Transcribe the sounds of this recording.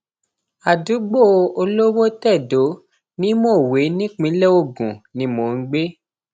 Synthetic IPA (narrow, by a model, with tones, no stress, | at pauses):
a˨du˨˦ɡ͡bo˦˨o˧lo˦wo˦tɛ˦˨do˨˦ | nĩ˦mo˦˨we˨˦nĩ˦k͡pĩ˨˦lɛ˦o˦˨ɡũ˨nĩ˨˦mo˨ŋ̩˧˦ɡ͡be˦